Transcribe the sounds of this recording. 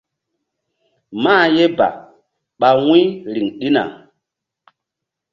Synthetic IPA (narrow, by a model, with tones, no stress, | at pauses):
maː˦˨je˦ba̰˨ | ɓa˨wĩ˦ɾi˨ŋɗi˦na̰˨